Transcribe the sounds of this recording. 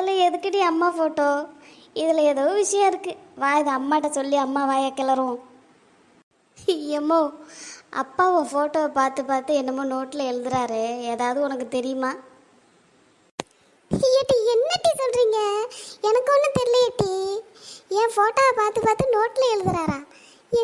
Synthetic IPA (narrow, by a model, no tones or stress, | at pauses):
lɐɛðɯkːɪʈiɐmːaːfoːʈːoː | ɪðɪlɐɛðoːʋʋɪʂɐjɐ̃ɪɾɯkːɯʋaːɪðɯɐmːaːʈːɐsɔlːiɐmːaːʋaːjɐkːɛlɐɾʊ̃ | jɛmːoːɐ̰pːaːõːfoːʈoːɐpaːɾt̪ɯpaːɾt̪ɯɛnːɐmoːnoːʈːɪlɐɛɻɯðɯɾaːɾɯeːðaːʋɐðɯɔnɐkːɯt̪ɛɾɪjɯmaː | jɐʈːiɛnːɐʈːisɔlɾiːŋɡɐɛnɐkːɯɔnːɯt̪ɛɾɪlɪjɐʈːi | ẽːfoːʈːoːɐpaːɾt̪ɯpaːɾt̪ːɯnoːʈːɪlɐɛɻɯðɯɾaːɾãː